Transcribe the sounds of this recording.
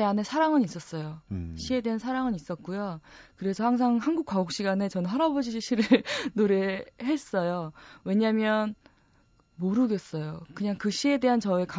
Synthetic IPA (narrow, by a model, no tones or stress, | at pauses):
eanesʰaɾaŋɯnis͈ʌs͈ʌjoɕʰie̞de̞ɦansʰaɾaŋɯnis͈ʌt̚k͈ujokɯɾe̞sʰʌhaŋsʰaŋhanɡuk͈ʰwaɡok̚ɕ͈iɡane̞t͡ɕʌnɦaɾabod͡ʑiɕʰiɕʰiɾɯnoɾe̞he̞s͈ʌjowe̞ɲamjʌn | moɾɯɡe̞s͈ʌjokɯɲaŋkɯɕ͈ʰie̞de̞ɦant͡ɕʌeka